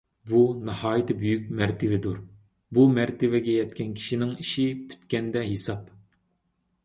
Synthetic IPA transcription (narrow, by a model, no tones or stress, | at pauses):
bunɨhɑːjɪt̪ʰɪbyjykʲmɛɾt̪ʰɪvɪd̪uɾ | bumæɾt̪ɪvɛɡʲɛjɛt̪kʲʰɛnkʲʰi̥ʃinɪŋiʃipʰy̥t̪kʲɛnd̪ɛɦesɑp